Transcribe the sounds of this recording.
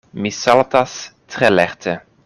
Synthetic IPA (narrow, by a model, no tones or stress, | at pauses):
misɑlt̪astrɛlɛrtʰə